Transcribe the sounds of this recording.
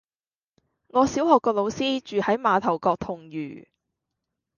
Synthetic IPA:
ŋɔː˨˧siː˨˥whɔː˨kːɔː˧k̚lo˨˧wsiː˥t͡ʃyː˨hɐ˨˥jmaː˨˧t̪ʰɐ˨˩wkɔː˧k̚t̪ʰʊ˨˩ŋjy̰ː˨˩

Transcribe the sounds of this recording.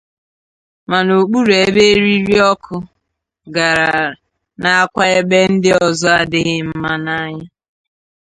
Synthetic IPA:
ma˨no˨k͡pu˦ɾe˨˦be˦e˦ɾi˦ɾi˦ɔ˦kʰʊ˦ | ɡa˨ɾa˨ | na˨a˦kʷa˦e˦be˦n̩˦dɪ˦ɔ˨zɔ˦a˨dɪ˦ɣɪ˦m̩˦ma˦na˦ɲa˦

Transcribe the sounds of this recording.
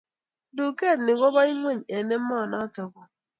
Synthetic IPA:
du˨ke˦˨tnɪ˨ɡo˦ba˦i˦ŋʷe˦˨ɲ˨e˨ne˦m̩˦mɔ˦˨nɔ˦tʊ˨kʊ˨

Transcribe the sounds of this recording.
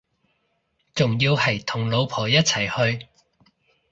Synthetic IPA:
t͡sʊ˨˩ŋjiː˧whɐ˨˩jt̪ʰʊ˨˩ŋlo˨˧wpʰɔː˨˩jɐ˥t̚t͡sʰɐ˨˩jhɵ˧ɥ

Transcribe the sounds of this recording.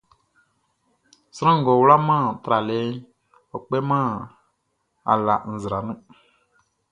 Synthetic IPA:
sɾ̃ã˦ŋ̩˨ɡɔ˨wla˦mã˦˨t̪ɾa˨le˦ | ɔ˨k͡pɛ˦mã˦˨ | a̰˨la̰˨n̩˨zɾa˨nũ˦

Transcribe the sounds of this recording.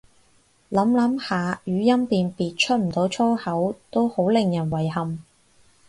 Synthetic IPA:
lɐ˨˥mlɐ˨˥mhaː˨jyː˨˥jɐ˥mt̪iː˨npiː˨t̚t͡ʃʰɵ˥t̚m̩˨˩t̪o˨˥wt͡ʃʰɔː˥hɐ˨˥wt̪o˥who˨˥wlɪ˨˩ŋjɐ˨˩nwɐ˨˩jhɐ˨m

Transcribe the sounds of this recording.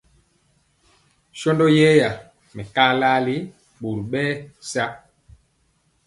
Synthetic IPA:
ʃɔ˦ndɔ˦jɛ˦ja˨ | mɛ˨ka˦la˦li˦ | ɓu˨ɾɓɛː˦sa˦

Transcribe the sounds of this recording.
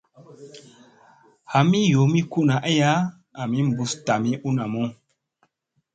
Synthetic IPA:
ha˨mi˦jo˨˦mi˦ku˦na˨ʔe˦ja˦ | a˨mi˦m˨bu˨sta˨mi˦ʔu˦na˨mo˦

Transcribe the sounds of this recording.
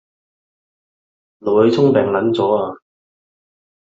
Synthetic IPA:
lo˨whɵ˨˧jt͡sʰʊ˥ŋpɛː˨ŋlɐ˨˥nt͡sɔː˨˥aː˧

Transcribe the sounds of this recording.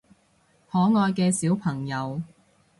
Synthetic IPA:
hɔː˨˥ŋɔː˧jkɛː˧siː˨˥wpʰɐ˨˩ŋjɐ˨˧w

